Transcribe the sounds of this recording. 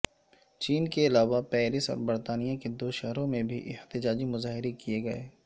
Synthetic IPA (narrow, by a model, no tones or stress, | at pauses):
t͡ʃiːnkeɪlaːʋapɛːɾɪsɔ̰ːɾbɐɾt̪aːnijaked̪oːʃɛɦɾõmẽbʱiʔɪht̪ɪd͡ʒaːd͡ʒimʊzaːɦɪɾekieɡɐḛː